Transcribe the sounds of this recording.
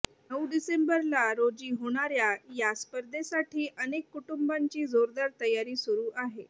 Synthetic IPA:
nəwɖisembəɾlaɾod͡ʑiːɦoɽ̃aɾjajaspəɾd̪esaʈʰiːʔənekːuʈumbaɲt͡ɕiːd͡zoɾd̪aɾt̪əjaɾiːsuɾuːʔaɦe

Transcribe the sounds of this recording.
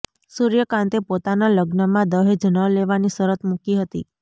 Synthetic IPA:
suɾjəkãnt̪epot̪analəɡnəmãd̪əɦed͡ʒnəleʋanisəɾət̪mukiɦət̪ḭ

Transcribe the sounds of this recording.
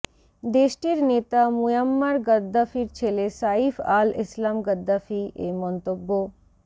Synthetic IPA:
d̪eʃʈiɾnet̪amujamːaɾɡəd̪ːafiɾt͡ɕʰelesaifalḭslamɡəd̪ːafiemɔnt̪obːo

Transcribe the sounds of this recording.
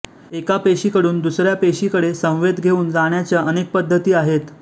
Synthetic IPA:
ekapeɕikəɽuːnd̪usɾjapeɕikəɽesə̃w̃ʋed̪ʱɡʱeuːnd͡zaɳjat͡ɕjaʔənek̚pəd̪ʱːət̪iːaɦet̪

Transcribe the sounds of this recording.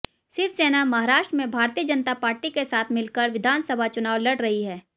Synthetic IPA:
sɪɾfʰseːnamɐɦaːɾaːʃʈɾəmẽbʱaːɾt̪iːəd͡ʒɐnt̪apaːɾʈikesaːt̪ʰmɪlkəɾʋɪd̪ʱaːnsəbʱat͡ʃʊnaːʋlɐɽɾɐɦiɦɛː

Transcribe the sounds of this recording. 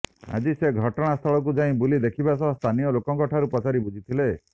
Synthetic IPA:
a̰d͡ʒiseɡʱɔʈɔɽ̃ast̪ʰɔɭɔk̬ud͡ʒaĩbulid̪ekʰibasɔst̪ʰanijɔlokɔŋkɔʈʰaɾupɔt͡ʃaɾibud͡ʒʱit̪ʰile

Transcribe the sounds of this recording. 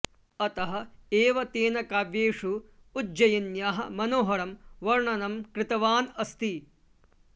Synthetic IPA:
ɐt̪ɐɦɐ̆eːʋɐt̪eːnɐkaːʋjeːʂu | ud͡ʒɐjinjaːɦɐmɐnoːɦɐɾɐmʋɐɾɳɐnɐmkɾɪt̪ɐʋaːnɐst̪i

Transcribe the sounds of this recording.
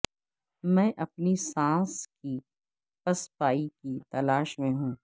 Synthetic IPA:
mɛ̃ːʔɐpnisãːski | pɐspaːikit̪ɐlaːʃmẽɦũː

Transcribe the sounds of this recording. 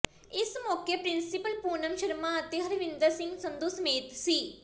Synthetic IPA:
ɪsmɔːkepɾɪnsɪpəlpuːnəmʃəɾmaət̪eɦɐɾʋɪ̃nd̪əɾsɪ̃ŋɡsənd̪uːsəmeːt̪siː

